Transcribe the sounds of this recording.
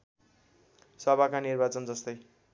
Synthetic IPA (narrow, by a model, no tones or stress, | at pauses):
sʌbʱakanirbat͡sʌnd͡zʌst̪ʌj